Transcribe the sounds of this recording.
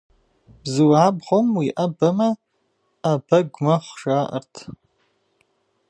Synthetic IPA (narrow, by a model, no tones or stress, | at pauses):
b̥zɨwʕabʁomwiʔabamaː | baɡʷmaχʷʂaʔə̰rtʰ